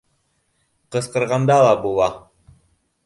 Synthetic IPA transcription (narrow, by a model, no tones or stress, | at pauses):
qɤ̆sqɤ̆ɾʁɑnd̪ɑlˠɑbulˠɑ